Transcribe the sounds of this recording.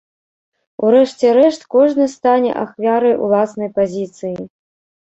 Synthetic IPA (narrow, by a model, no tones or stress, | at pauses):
uɾɛʂt͡sʲɛɾɛʂt̪kɔʐnɨst̪anʲɛ̰ʔaxvʲaɾɐjṵlˠasnɐjpazʲit̪sɨji